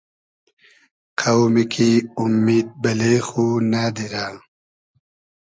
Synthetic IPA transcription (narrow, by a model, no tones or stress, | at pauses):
qʰawmikʰiumːiːd̪̚bɐlexunaːd̪iɾaː